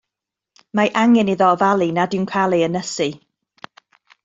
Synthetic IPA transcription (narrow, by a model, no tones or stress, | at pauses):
maʔaŋɛniðɔvalˠinadɪwnkʰalˠiənəsi